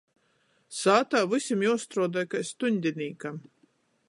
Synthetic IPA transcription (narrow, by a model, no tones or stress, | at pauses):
saːt̪aːvɨsʲimjɔwst̪ɾɔːd̪ajkajst̪uɲʲd̪ʲinʲiːkam